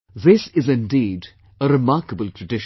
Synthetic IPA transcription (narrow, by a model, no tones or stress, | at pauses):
ðɪsɪzɪ̃ndiːɖ | əɾɪmaːɾkəbəltʰɹəɖɪʃ